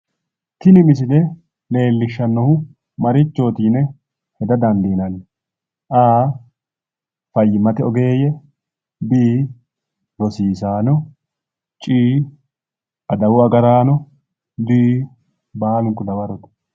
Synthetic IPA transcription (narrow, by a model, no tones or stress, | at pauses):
t̪ɪnɪmɪs̬ɪd̪ɛ | le̞ːlːɪʃːɐnːɔhʊ | mɐɾɪt͡ʃːo̞ːt̪iːnɛ | hɛd̪ɐd̪ɐnd̪iːnɐn | ʔaː | fɐjːɪmɐt̪ɛɔɡe̞ːjɛ | biː | ɾɔsiːsaːnɔ | t͡ʃʼiː | ʔɐd̪ɐwʊɐɡɐɾaːnɔ | d̪iː | baːlʊŋkːʊd̪ɐwɐɾɔt̪ɛ̥